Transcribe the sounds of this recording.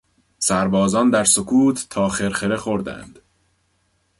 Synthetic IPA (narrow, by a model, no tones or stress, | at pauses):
sæɾbɒːzɒːnd̪æɾsokʰuːt̪ʰːɒːxe̞ɾxeɾe̞xo̞ɾd̪æ̰nd̪̥